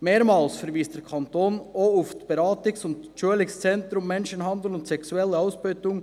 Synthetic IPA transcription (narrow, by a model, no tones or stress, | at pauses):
meːɾmɑːlsfɛɾviːsd̥eːɾkʰɑntoːnoufb̥eɾɑːtɪksʊntt͡ʃuːlɪst͡sɛntɾʊmːɛnʃənhɑnd̪l̩ʊntsɛksuɛləaʊsb̥œʏtʊŋ